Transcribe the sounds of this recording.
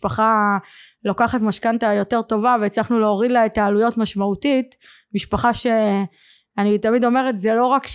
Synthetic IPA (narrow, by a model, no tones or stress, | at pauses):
paχa | lokaχatmaʃkantajo̞te̞ʁt̪o̞vavet͡slaχnuleoʁidlaet̪ːaːlujo̞tmaʃmautit | miʃpaχaʃe | anit̪amid̪o̞me̞ʁetzelo̞ʁak